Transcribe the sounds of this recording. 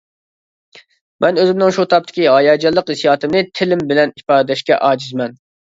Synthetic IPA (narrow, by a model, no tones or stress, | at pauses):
mʔɛnøzɪmnɪŋʃut̪ʰɑp̚t̪ʰːɪ̥kʲiɦɑjɑd͡ʒɑlˠːəqɪsijɑːt̪ʰɨmnɪt̪ʰɪlɪmbɪlɛnipɑːd̪d̪ɛʃkʲɛ̰ʔɑːd͡ʒizmɛn